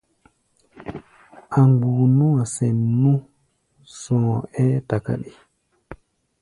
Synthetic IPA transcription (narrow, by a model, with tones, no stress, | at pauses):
ʔa˨ŋɡu˨nu˦a˨sɛ˨nːu˦ | sɔ̃ː˨ɛ˦ta˨ka̰˦ɗi˨